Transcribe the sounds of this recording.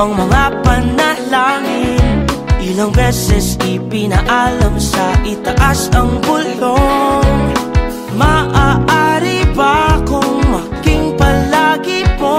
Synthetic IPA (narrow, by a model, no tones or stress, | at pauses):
ɐŋmɐŋapɐnːɐlaŋɪnʔɪlɐŋbɛsɛsɪpinɐʔalɐmsɐʔɪt̪ɐʔasɐŋbʊloŋ | mɐʔaʔaɾibakoŋmɐ | ɡɪŋpɐlaɡipo